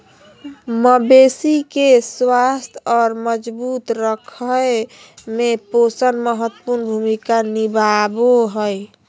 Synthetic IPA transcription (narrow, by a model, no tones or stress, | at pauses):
məbesikeswast̪ʰɔːɾməd͡ʒbut̪ɾəkʰəj | meposənməɦət̪ːəpuɾnbʱumikanibaboɦəj